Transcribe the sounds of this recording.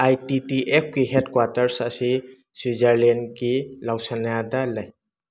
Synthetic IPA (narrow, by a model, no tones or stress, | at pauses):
ajtitiʔep̚ɡiɦedkwaɾtɐɾsasi | swizaɾlenɡilawsanaadalaj